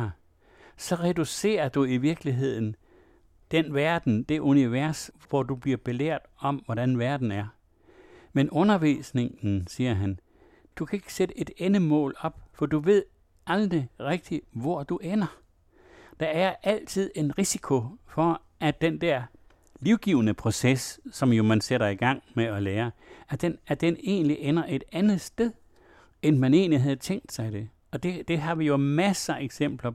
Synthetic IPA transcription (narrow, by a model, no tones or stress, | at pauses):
sɒ̽ʁɛduse̝̰ːɐd̥uiʋiɐɡ̥liɦe̝ð̞̰ˠn̩ | d̥enʋæɐd̥n̩d̥e̝ʔuniʋæɐ̰sʋɒd̥ub̥liɐb̥e̝lḛɐ̰d̥ɒ̽mʋɒɾ̥ænʋæɐd̥n̩æɐ | menʔɔ̽nɐʋḭsne̝ŋn̩siːɐɦæn | d̥ukʰæe̝ɡ̥ə̥sed̥əʔe̝d̥enəmɔ̰̽ːlɒ̽b̥fɒ̽duʋe̝ð̞̰ˠ | ɑld̥ʁiʁeɡ̥̚d̥iʋɒd̥uʔenɐ | d̥ɑ̈æɐæl̰t͡sʰið̞̰ˠe̝nʁisikʰo̝fɒ̽ | ʔæd̥end̥ɛɐ̰ | liʊɡ̥iːʊənəpʰʁo̝sessɒ̽mjo̝mænseɾɐiɡ̥ɑ̈ŋ̰meɒleːɐæd̥enæd̥ene̝̰ːnliʔenɐʔe̝d̥ænð̩ˠsd̥eðˠ | enmæne̝̰ːnliɦæð̞ˠt͡sʰeŋ̰d̥sɑ̈ɪde̝ | ɒ̽d̥e̝d̥e̝ɦɑ̈ʋijo̝mæsɐeɡ̥sem̰b̥lɐ